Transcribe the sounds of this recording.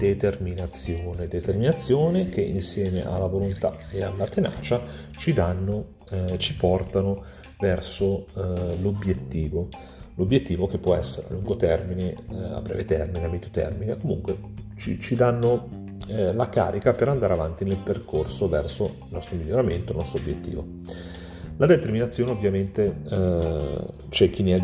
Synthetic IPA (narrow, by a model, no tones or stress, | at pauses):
d̪̥et̪erminat̪sːjoːned̪et̪erminat̪sːjoːnekeʔinsjɛːmḛʔa̰lːavolont̪a̰ealːat̪ena̰ːt͡ʃa | t͡ʃid̪anːo | t͡ʃipɔrt̪ano | vɛrsolobjet̪ːiːvo | lobjet̪ːiːvokepːwɔɛsːeɾea̰luŋɡot̪ɛrminea̰bːɾɛ̰ːvet̪ɛrmineamːɛd̪jot̪ɛ̰rminekomṵŋkwet͡ʃit͡ʃid̪anːo | laka̰ːɾikapeɾand̪aːɾeavant̪inelperkorsovɛrsoilnɔst̪ɾomiʎːoɾament̪oḛlnɔst̪ɾoobjet̪ːḭːvo̰ | lad̪et̪erminat̪sːjoːneovjament̪e | t͡ʃɛk̟ːinːeɛd̪